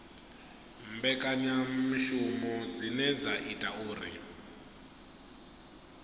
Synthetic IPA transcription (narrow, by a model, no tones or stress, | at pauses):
mbɛkʼaɲamiʃumɔd͡zinɛd͡zaʔitʼauːrḭ